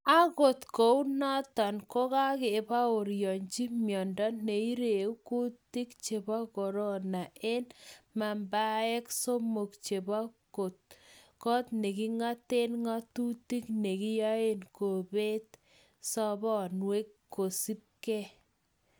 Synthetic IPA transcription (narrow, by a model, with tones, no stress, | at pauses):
a˦ɣo˨t̪ko˨u˦nɔ˦tɔ˨nko˦ka˦ke˨βa˦o˨ɾjɔ˨ɲt͡ʃi˦mjɔ˨ndɔ˦ne˨i˦ɾe˨u˦ku˦ti˦kt͡ʃe˨ba˦kɔ˨ɾo˦na˨e˦nma˨mba˦ɛ˦kso˦mo˨kt͡ʃe˨ba˦ko˨t̚kɔ˦t̪̚ne˨ki˦ŋa˦te˦nŋa˦tu˦ti˦kne˨kɪ˦ja˦e˦nko˨be˦t̪̚ | sɔ˦bɔ˦˨nwe˦kː | o˨si˦p̚ke˦